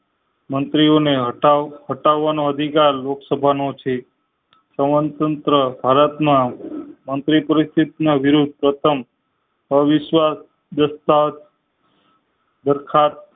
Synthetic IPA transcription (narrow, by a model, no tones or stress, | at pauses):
mənt̪ɾioneɦaɦəʈaʋːanoəd̪ʱikaɾloksəbʱanot͡ʃʰe | səmənt̪ənt̪ɾəbʱaɾət̪mãmənt̪ɾipəɾist̪ʰit̪naʋɪɾud̪̚ʱpɾət̪ʰəm | əʋɪʃʋas | d̪əst̪at̪ | d̪əɾkʰat̪̚